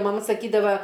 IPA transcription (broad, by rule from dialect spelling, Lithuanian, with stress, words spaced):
mɐˈmɐ sɐˈkʲiːdɐʋɐ